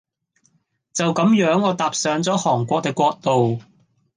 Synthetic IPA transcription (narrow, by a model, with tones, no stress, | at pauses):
t͡sɐ˨wkɐ˨˥mjœː˨˥ŋɔː˨˧t̪aː˨p̚sœː˨˧ŋt͡sɔː˨˥hɔː˨˩ŋkʷɔː˧k̚t̪ɪ˨kːʷɔː˧k̚t̪o˨w